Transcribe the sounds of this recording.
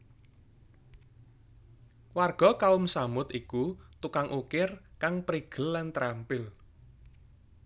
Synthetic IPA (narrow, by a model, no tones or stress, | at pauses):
warɡ̥ɔ̤kaʊmsamʊt̪ikut̪ukaŋʔukɪrkaŋpɾiɡ̥ə̤lːant̪ɾampɪl